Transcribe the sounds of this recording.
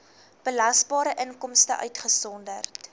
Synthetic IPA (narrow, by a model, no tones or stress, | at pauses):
b̥əlɐsbɑːɾəʔənkɔmstə̰ʔœ̰ɥtχəsɔndərt